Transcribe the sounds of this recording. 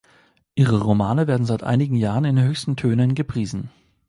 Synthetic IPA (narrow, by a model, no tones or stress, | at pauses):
ʔiːʁəʁomaːnəveːɐdn̩zaɪtʔa̰ɪnɪɡŋ̩jaːʁənɪnɦøːçstn̩tʰøːnənɡəpʁ̥iːzn̩